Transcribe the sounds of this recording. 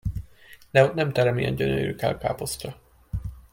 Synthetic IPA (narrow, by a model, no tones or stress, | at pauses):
d̪̥ɛot̪nɛmt̪ɛɾɛmijɛ̰ɲɟø̰nø̰ɾyːka̰lka̰ːpo̞scɒ